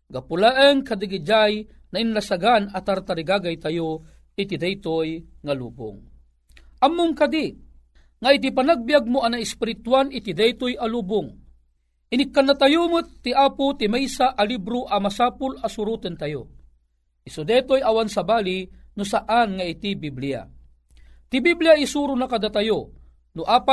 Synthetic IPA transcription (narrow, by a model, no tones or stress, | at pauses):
ɡapʊlaʔəŋkad̪iɡid͡ʒaj | naʔinlasaɡanat̪aɾt̪aɾiɡaɡajt̪ajo | ɪt̪id̪ɛjt̪ojŋalṵːbʊ̰ŋ | ʔamːʊŋkad̪i | ŋait̪̬ipanaɡ̚bjaɡ̚mʊanaɪspɪɾit̪wanɪt̪id̪ɛjt̪ojʔaluːbʊŋ | ɪnɪkːanːat̪ajumɨt̪ːiʔaːpʊt̪imɛjsaʔalibɾoʔɐmasaːpʊlasʊɾuːt̪ɨnt̪ɐjo | isod̪ɛt̪ojɐwansabaːlinʊsaʔanŋait̪ibiblija̰ | t̪ibiblijaisuɾʊnakad̪at̪ajo | nʊʔaːpa